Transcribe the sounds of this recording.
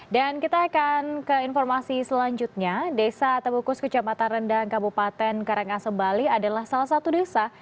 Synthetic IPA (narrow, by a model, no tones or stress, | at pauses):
dankit̪aːkankəinfɔrmasisəlaɲd͡ʒut̪̚ɲadesat̪əbukʊskət͡ʃamat̪anrəndankabupat̪ɛnkaɾaŋasəmbaliadalahsalahsat̪udesa